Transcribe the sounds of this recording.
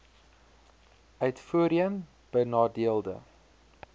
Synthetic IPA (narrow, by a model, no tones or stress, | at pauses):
œɥtfuəɾiən | b̥ənɑːdiəlˠdə̰